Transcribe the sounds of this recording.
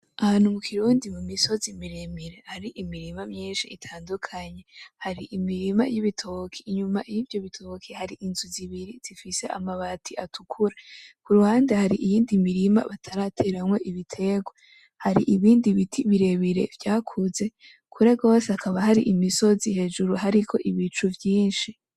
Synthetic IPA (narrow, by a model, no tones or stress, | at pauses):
ahaːn̥humukʰiɾuːndimumiso̞zimiɾemiɾe̞haɾiʔimiɾimamɲiːnʃiːtʰaːndukʰaɲe̞haɾiʔimiɾima̰jiβitʰokʰiːɲumaʔijivjo̞βitʰokʰihaɾiʔinzuziβiɾiz̥ifise̞ʔa̰maβatʰiʔatukʰuɾakuɾuhaːndehaɾiʔijiːndimiɾima̰βatʰaɾatʰeɾamŋwo̞ʔiβitʰe̞ɡwa | haɾiʔiβiːndiβitʰiβiɾe̞βiɾe̞̰vjaːkʰuze̞ | kʰuɾeɡo̞ːsakʰaβahaɾiʔimiso̞zihe̞ːd͡ʒuɾuɦaɾikʰo̞̰ʔiβit͡ʃuvjiːnʃi